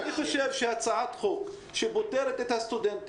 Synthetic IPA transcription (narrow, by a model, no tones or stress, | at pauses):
niχaʃevʃehat͡saʕat̪χok | ʃebot̪eɾet̪et̪hast̪ud̪ent̪